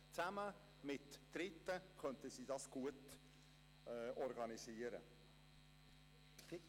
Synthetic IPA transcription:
t͡sæmə | mɪtːɾɪtːəkʰœntəsiːdɑsɡ̥uət | ʔɔɾɡɑnisiːəɾə̰

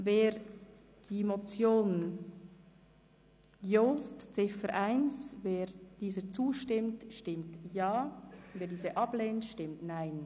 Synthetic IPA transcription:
veːɾ | d̥iːmot͡sjoːnn | joːstt͡sɪfəɾʔaɪnsveːɾd̥iːzət͡suːʃtɪmtʃtɪmtjaːveːdiːzəʔɑbleːntʃtɪmtnaɪn

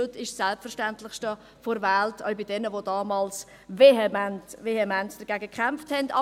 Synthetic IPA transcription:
øtɪʃssɛlpfɛɾʃtæntlɪχʃtə | foɾvæltʰœ̰ʏɥbɪd̥ɛnəʋodɑːmɑːls | veɛmntvehemɛnsd̥əɡ̥æːɡəkχamfthɛndɑ

